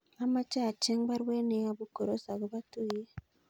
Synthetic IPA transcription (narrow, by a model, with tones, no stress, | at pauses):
a˨ma˦t͡ʃa˦˨t͡ʃe˦ŋβa˦ɾwe˦ne˨ja˦βu˦ko˨ɾo˨sa˨ɣu˨βa˦tu˦je˦